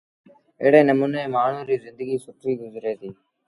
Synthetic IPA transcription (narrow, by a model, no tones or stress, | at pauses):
eːɽeːnəmuːneːmaːɳ̤uːɾiːzɪ̃nd̪əɡiːsʊʈɾiːɡʊzɾeːt̪iː